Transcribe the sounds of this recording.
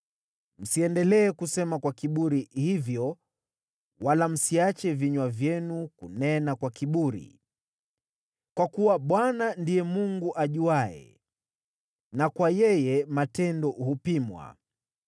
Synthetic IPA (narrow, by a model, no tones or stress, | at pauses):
m̩siɛndɛlɛːkusɛmakwakiɓuɾihivjɔ | walam̩siat͡ʃɛviɲwavjɛnukunɛnakwakiɓuɾḭ | kwakuwaɓwanandijɛmuŋɡuʔaʄuaɛ̰ | nakwajɛjɛmatɛndɔhupimwa̰